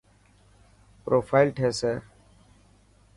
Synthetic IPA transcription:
pɾoːfʰaːɪlʈʰeːseː

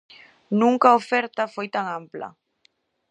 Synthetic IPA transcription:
nũŋkaofɛɾt̪afojt̪aŋampla̰

